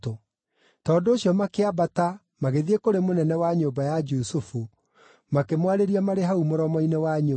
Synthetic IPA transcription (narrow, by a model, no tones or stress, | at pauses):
to | tɔːndoːɕjɔmakeabata | maɣeðiekoɾemonɛnɛwaɲobajad͡ʒusufu | makemwaɾeɾiamaɾeɦaumoɾɔmɔinewaɲo